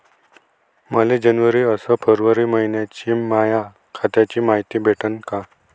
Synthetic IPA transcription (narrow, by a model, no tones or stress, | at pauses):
məled͡ʑənʋəɾiːəsəpʰəɾʋəɾiːməɦinjat͡ɕiːmaja | kʰat̪jat͡ɕiːmaɦit̪iːbʱeʈʰənka